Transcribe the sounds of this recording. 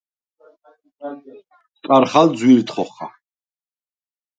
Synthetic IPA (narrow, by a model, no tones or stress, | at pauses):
t͡sʼaɾχald͡zwiɾt̪χɔχa̰